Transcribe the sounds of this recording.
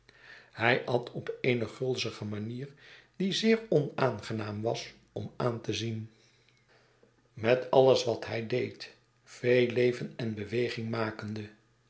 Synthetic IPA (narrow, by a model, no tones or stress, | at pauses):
hɛjʔɑtʰɔpejnəχɵlˠzəχəmaniːɹdizɪːɹɔnaːnχənaːmʋɑs | ɔmaːntəzin | mɛtɑləsʋɑtɦɛjdejt | fejlejvənɛnbəʋejχɪŋmaːkəndə